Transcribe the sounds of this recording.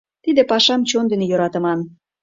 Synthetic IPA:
t̪id̪epɑʃɑmt͡ɕond̪enejoɾɑt̪ə̆mɑn

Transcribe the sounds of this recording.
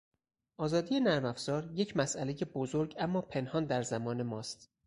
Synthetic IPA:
ʔɒːzɒːd̪ije̞næɾmæfz̥ɒːɾje̞cʰmæsʔæle̞je̞bozoɾɟæmːɒːpʰe̞nhɒːnd̪æɾzæmɒːne̞mɒːst̪

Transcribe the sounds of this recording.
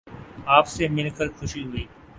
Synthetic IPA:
aːpsemɪlkəɾxʰʊʃiɦʊiː

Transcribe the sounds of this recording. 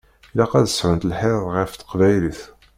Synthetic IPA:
læqæðəsʕənt̪əlħeððˤʁəft̪ə̥qvæjliθ

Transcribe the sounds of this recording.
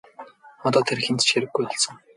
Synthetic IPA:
ɔt̪ɔːt̪ʰerxent̪t͡ɕxeɾɘ̆ɡːujɔɮsə̆ŋ

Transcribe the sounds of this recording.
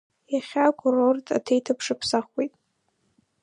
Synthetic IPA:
jaχʲakʷʰʼʊrortʰa̰tʰejtʰapʰʂɨpʰsaχwejtʼ

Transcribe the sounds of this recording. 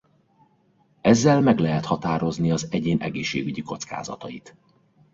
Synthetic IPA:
ɛzːɛlmɛɡlɛɦɛt̪hɒt̪aːɾo̞zniɒzɛɟeːnʔɛɡeːʃːḛːɡyɟiko̞t̪ska̰ːzɒ̰t̪ɒjit̪

